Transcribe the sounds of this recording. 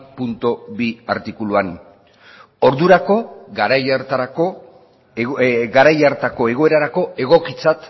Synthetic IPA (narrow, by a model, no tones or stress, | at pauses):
punt̪oβia̰ɾt̪ikuluan | o̞ɾðuɾako̞ɣaɾajaɾt̪aɾako | ɡaɾajaɾt̪ako̞e̞ɣ̞o̞e̞ɾaɾako̞e̞ɣ̞o̞kit͡sat̪